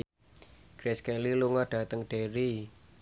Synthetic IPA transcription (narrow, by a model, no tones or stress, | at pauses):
ɡ̥ɾɛskɛliluŋaɖ̥a̤t̪əŋɖ̥eɾi